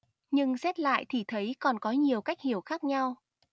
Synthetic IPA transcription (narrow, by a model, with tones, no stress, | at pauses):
ɲɨ˧ŋsɛ˦˥t̚la̰ː˧˨jt̪ʰi˨˩t̪ʰə˨˦jkɔ˨˩nkɔ˨˦ɲi˨˩əwka˦˥jk̚hi˧˩əwxaː˦˥k̚ɲa˧w